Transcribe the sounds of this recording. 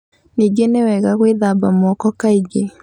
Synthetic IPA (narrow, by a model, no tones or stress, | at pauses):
niɡenewɛɣaɣweðabamɔkɔkaiɡe